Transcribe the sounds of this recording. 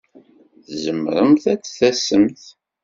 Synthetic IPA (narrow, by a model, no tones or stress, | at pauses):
θzəmːəɾəmθæt͡sːθæsːəmθ